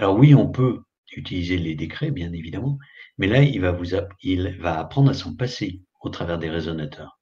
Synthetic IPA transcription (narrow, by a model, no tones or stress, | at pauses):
alɔʁwiɔ̃pø | yt̪ilizeled̪ekχɛbjɛ̃nevid̪amɑ̃mɛlailvavuzailvaːpχɑ̃d̪ʁasɔ̃pase | ot̪χavɛʁd̪eʁezɔnat̪ʰœːʁ